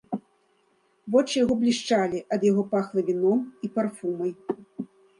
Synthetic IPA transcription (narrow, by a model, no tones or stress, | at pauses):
vɔt͡ʂɨjaɣɔblʲiʂt͡ʂalʲiʔɐd̪jaɣɔpaxlˠɐvʲinɔmiparfumɐj